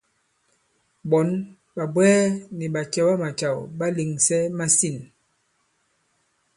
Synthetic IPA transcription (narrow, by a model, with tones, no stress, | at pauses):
ɓɔ˨˦n | ɓa˨bwɛː˦ni˨ɓa˨t͡ʃɛ˦ba˦ma˨t͡ʃa˨wɓa˦li˨ŋsɛ˦ma˦si˦˨n